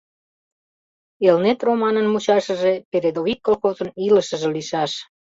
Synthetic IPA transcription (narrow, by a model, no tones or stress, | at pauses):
elnet̪romɑnənmut͡ɕɑʃəʒepeɾed̪ovikːolxozəniləʃəʒeliʃɑʃ